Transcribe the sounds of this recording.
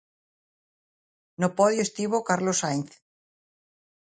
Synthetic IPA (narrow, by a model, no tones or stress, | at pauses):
nopɔðjoest̪iβokaɾlosajnθ